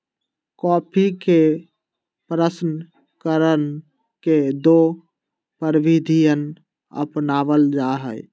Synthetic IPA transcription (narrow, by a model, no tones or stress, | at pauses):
kɔːpʰike | pɾəsnə | kəɾən | ked̪o | pəɾʋid̪ʱijən | ə̰pnaːʋəld͡ʒaɦəj